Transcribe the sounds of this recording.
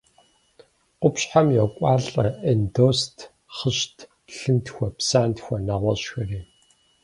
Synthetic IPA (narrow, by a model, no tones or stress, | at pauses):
qʷʊpɕħamjɔkʷʼaːɮʼɐendoːstʰ | χəʃtʰ | ɬɨntʰxʷɐpsaːntxʷɐnaːʁʷɔɕxɐreː